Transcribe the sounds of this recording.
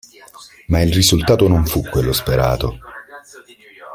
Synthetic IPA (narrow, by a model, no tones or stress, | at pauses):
mailrizult̪aːt̪onoɱfukːwelːospeɾa̰ːt̪o